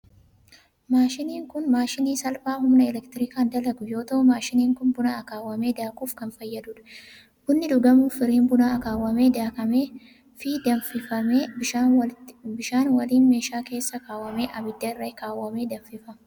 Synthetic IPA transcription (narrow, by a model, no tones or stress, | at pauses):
maːʃɪniːŋkʊnmaːʃɪniːsɐlpaːhʊmnɐɛlɛkt̪ɪɾɪkaːnd̪ɐlɐɡʊjo̞ːt̪ɐmaːʃɪniːŋkʊnbʊnaːɐkaːwːɐme̞ːd̪aːkʼuːfkɐnfɐjːɐd̪uːᶑɐ̥ | ʔʊnːɪᶑ̪ʊɡɐmuːfɪɾiːnbʊnaːɐkaːwːɐme̞ːd̪aːkɐmeː | fɪd̪ɐfɪfɐmeːɪa | bɪʃaːnwɐliːnme̞ːʃaːke̞ːsːɐkaːwːɐme̞ːʔɐbɪd̪ːɐɪrːɐkaːwːɐme̞ːd̪ɐɱfɪfɐ